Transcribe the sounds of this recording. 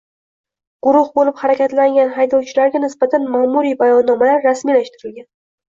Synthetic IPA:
ɡ̥ʊɾʊhbolɪphaɾakʲat̪laŋɡʲanɦajd̪ɒwt͡ʃʰɪlaɾɡʲanɪsbat̪ʰanmaːmuɾibajɒnːɒmalaɾːasmijlaʃt̪ɪɾɪlɡʲan

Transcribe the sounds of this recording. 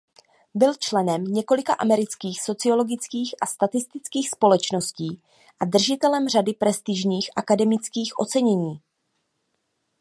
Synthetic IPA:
bɪlt͡ʃlɛnɛmɲɛko̞lɪkaʔamɛɾɪt͡skiːxso̞t͡sɪo̞lo̞ɡɪt͡skiːxʔast̪at̪ɪst̪ɪt͡skiːxspo̞lɛt͡ʃno̞sciː | ʔad̪r̩ʒɪt̪ɛlɛmr̝adɪpɾɛst̪ɪʒɲiːxʔakadɛmɪt͡skiːxʔo̞t͡sɛɲɛɲiː

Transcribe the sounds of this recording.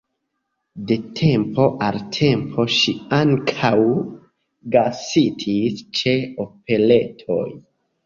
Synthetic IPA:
de̞tʰe̞mpo̞ʔaltʰe̞mpʰo̞ʃiaŋkʰaw | ɡasitʰist͡ʃe̞o̞p̚e̞le̞tʰo̞̰j

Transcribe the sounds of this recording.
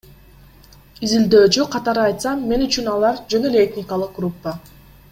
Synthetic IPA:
izild̪ø̞ːt͡ʃyqʰɑt̪ɑɾɯɑjt̪sɑmːe̞nyt͡ʃynɑlˠɑɾd͡ʒø̞nø̞le̞et̪ʲnʲɪkalˠɯq̚ɡrupːa

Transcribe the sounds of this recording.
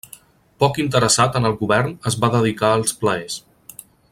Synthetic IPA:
pɔkint̪̬əɾəsat̪ənəlˠɣuβɛrnəzβaðəðikaəlˠspləes

